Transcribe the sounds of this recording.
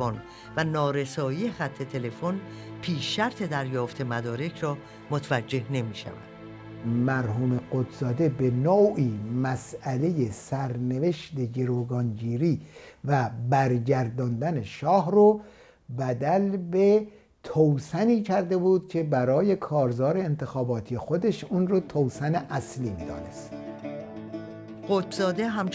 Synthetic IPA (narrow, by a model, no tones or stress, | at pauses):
on | vænɒːɾesɒːjijexæt̪ʰːe̞t̪ʰe̞le̞fon | pʰiːʃːæɾt̪ʰed̪æɾjɒːft̪ʰe̞mæd̪ɒːɾe̞cʰɾɒː | mot̪ʰævæd͡ʒːe̞hne̞miːʃæ̰væ̰nd̪̥ | mæɾɦuːme̞ɢot̪zɒːd̪e̞be̞noːʔiːmæsæle̞je̞sæɾneve̞ʃt̪e̞ɟe̞ɾoːɡɒːnd͡ʒiːɾiːvæbæɾɟæɾd̪ɒnd̪æne̞ʃɒːhɾo | bæd̪ælbe̞ | t̪ʰowsæniːcʰæɾd̪e̞buːd̪̚cʰe̞bæɾɒːje̞kʰɒːɾzɒːɾe̞ːnt̪ʰe̞xɒːbɒːt̪ʰije̞xo̞d̪e̞ʃunrot̪ʰowsæneʔæsliːmiːd̪ɒ̰ːne̞st̪ | ɢ̥ot̪zɒːd̪eɦæmt͡ʃ